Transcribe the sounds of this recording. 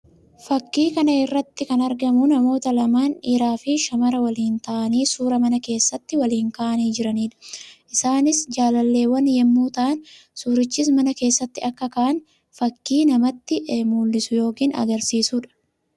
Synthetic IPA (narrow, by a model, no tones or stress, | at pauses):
fɐkːiːkɐnɐɪrːɐt̪ːɪkɐnɐɾɡɐmʊnɐmo̞ːt̪ɐlɐmaːniɾaːfɪʃɐmɐɾɐwɐliːnt̪ɐʔɐniːsuːɾɐmɐnɐke̞ːsːɐt̪ːɪwɐliːŋkaːʔɐniːd͡ʒɪɾɐniːᶑɐ̥ʔɪsaːnɪsd͡ʒaːlɐlːe̞ːwɐnjɛmːuːt̪ɐʔɐn | suːɾɪt͡ʃːiːsmɐnɐke̞ːsːɐt̪ːɪɐkːɐkaːʔɐn | fɐkːiːnɐmɐt̪ːɪʔmuːlːɪsʊjo̞ːkiːnɐ̰ɡɐɾsiːsuːᶑɐ̥